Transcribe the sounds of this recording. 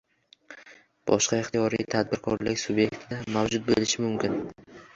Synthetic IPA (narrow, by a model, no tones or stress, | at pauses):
b̥ɒ̰ʃqɑɪχt̪ʰijɒɾijt̪ʰad̪̚bɪɾkʰɒɾlɪkʲsʊbje̞kʲt̪ʰɪd̪amawd͡ʒʊt̪̚bolɪʃɪmʊmkʲɪn